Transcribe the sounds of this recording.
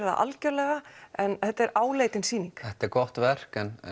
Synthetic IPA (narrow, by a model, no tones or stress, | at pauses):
ɾða̰ʔa̰lcœɾlɛːɣaɛnθɛht̪aɛɾaːwleːjt̪ɪnsiːniŋkθɛht̪ɛɾkɔht̪vɛr̥kɛn